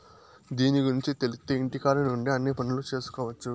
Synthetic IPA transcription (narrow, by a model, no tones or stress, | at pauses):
d̪iːniɡuɾiɲt͡ʃit̪elit̪ːeiɳʈikaːɾɐnuɳɖiɐnːiːpɐnulut͡ʃe̞ːsu̥kɔːʋɐt͡ʃːu